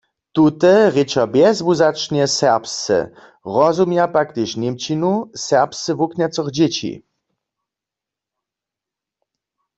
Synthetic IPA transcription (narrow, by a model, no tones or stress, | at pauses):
t̪ut̪ɛʁɪt͡ʃɔbjɛzbuzat͡ʂɲɛsɛʁpst͡sɛ̰ | ʁɔzumjapakt̪ɪʃnɪmt͡ɕinusɛʁpst͡sɛvuknʲɛt͡sɔɣd͡ʑet͡ɕḭ